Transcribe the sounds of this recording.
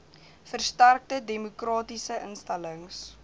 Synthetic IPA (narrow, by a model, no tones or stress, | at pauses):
fərstærk̚tədemokrɑːtisəʔə̰nstæləŋs